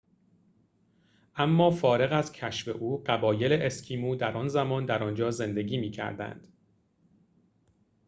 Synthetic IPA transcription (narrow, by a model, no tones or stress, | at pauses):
ʔæmːɒːfɒːɾe̞ɣæzcʰæʃfe̞̰ʔuːɢæbɒːje̞leʔescʲʰiːmuːd̪æɾɒːnzæmɒːnd̪æɾɒnd͡ʒɒːze̞nd̪e̞ɟʲiːmiːcʰæ̰ɾd̪æ̰nd̪̥